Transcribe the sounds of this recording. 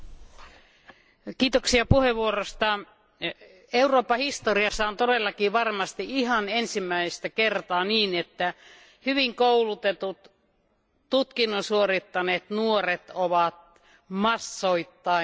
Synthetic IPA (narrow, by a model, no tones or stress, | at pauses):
kiːt̪oksiɑpuheʋʋuorost̪ɑ | euroːpːˑɑhist̪oriɑsːɑont̪odelːɑkiʋɑrmɑst̪iihɑnensimːæist̪ækert̪ɑːniːnet̪ːæ | hyʋiŋkoulut̪et̪ut̪ | tut̪kinːonsuorit̪ːɑneːt̪nuoret̪oʋɑt̪ | mɑsːoit̪ːɑi